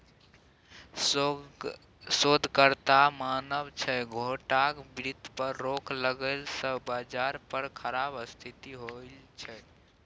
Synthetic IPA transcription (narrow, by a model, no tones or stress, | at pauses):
sod̪ʱkəɾt̪amanəbt͡ʃʰɛɡʱoʈakbɾit̪pəɾːokʰləɡəlsəbad͡ʒaɾpəɾkʰəɾabəst̪ʰit̪iɦolt͡ʃʰɛ